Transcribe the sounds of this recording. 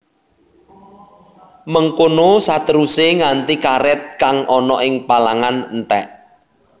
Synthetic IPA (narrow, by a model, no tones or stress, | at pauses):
məŋkonosat̪əɾuseŋant̪ikaɾɪt̪̚kaŋʔɔnɔʔɪŋpalaŋannt̪ɛ̰ʔ